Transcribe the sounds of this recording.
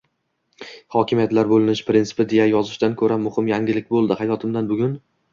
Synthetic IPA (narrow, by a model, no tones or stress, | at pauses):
hɒkʲʰɪmijat̪laɾbolɪnɪʃpɾɪnt̪ɪ̥pɪd̪e̞jajɒzɪʃd̪ankʰɵɾamʊhɪmjaŋɡʲɪlɪk̚ʲbolˠd̪ɪhajɒt̪ʰɪmd̪anbʊɡʲʊn